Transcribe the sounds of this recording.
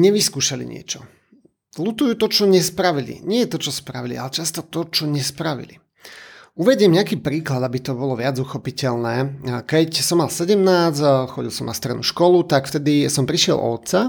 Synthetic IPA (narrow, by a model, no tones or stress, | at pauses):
ɲɛʋiskuːʃalḭɲɪɛ̰t͡ʃɔ | lut̪ujut̪ɔt͡ʃɔɲɛspɾaʋilḭɲɪɛjɛt̪ɔt͡ʃɔspɾaʋilḭalɛt͡ʃast̪ɔt̪ɔt͡ʃɔɲɛspɾaʋḭlḭ | uʋɛɟɪɛmɲɛakiːpɾiːklad̪abit̪ɔbɔlɔʋɪad͡zuxɔpicɛlnɛːkɛcsɔmːalsɛɟɛmnaːt͡sxɔɟilˠsɔmnast̪ɾɛ̰dnṵʃkɔlut̪akft̪ɛd̪isɔmpɾiʃɪɛ̰lˠʔɔ̰t̪t͡sa